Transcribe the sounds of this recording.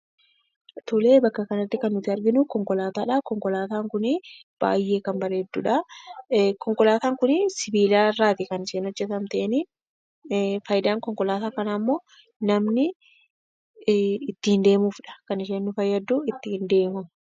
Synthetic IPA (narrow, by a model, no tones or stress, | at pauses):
t̪ʊleːbɐkːɐkɐnɐt̪ːɪkɐnːʊt̪ːɪɐɾɡɪnʊkɔŋkɔlaːt̪aːᶑɐkɔŋkɔlaːt̪aːŋkʊnɪb̥a̰ːjːe̞ːkɐnbɐɾe̞ːd̪ːṵːᶑɐ | kɔŋkɔlaːt̪aːŋkʊnɪsɪbiːlaːrːaːt̪ɪkɐnɪʃeːnhɔd͡ʒːɛt̪ɐmt̪eʔnɪ | fɐjd̪aːŋkɔŋkɔlaːt̪aːkɐnamːoː | nɐmnɪ | t̪ːɪɪnd̪e̞ːmuːfᶑɐ̥kɐnɪʃ̬eːnːʊfɐjːɐd̪ːuːɪt̪ːɪɪnd̪e̞ːmʊ